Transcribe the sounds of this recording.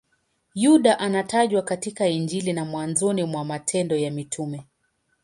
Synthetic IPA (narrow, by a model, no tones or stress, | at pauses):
juɗaʔanataʄwakatikaind͡ʒilinamwanzɔnimwamatʰɛndɔjamitʰumɛ